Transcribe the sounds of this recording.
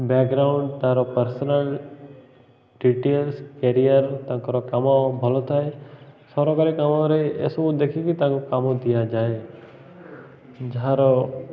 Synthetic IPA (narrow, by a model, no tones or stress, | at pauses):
bɛːkɡɾaːʊ̃ɳɖt̪aãɾopəɾsnəl | ɖiʈeːlskeːɾijəɾt̪ãkɐɾokɐmãbʱɐlot̪aɦesɔɾokəɾekɐmõɾeḛsod̪eːkʰijekit̪ãːkokamõd̪ijad͡ʒaːe | d͡ʒɐɦãɾo